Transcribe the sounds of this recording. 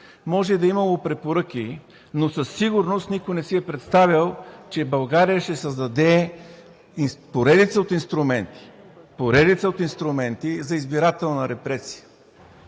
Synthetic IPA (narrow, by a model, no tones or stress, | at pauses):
mɔʒɛd̪ɐimɐlˠopɾɛpoɾɤk̟i | nosɐsːiɡʊɾnost̪nikojnɛsiɛpɾɛt̪st̪avilˠt͡ʃɛbɐlˠɡaɾijəʃt̪ɛsɐzd̪ɐd̪ɛ | ipoɾɛd̪it̪səot̪inst̪ɾʊmɛnt̪i̥ | poɾɛd̪it̪səot̪inst̪ɾʊmɛnt̪izɐizbiɾat̪ɛlˠnɐɾɛpɾɛsi̥jə̥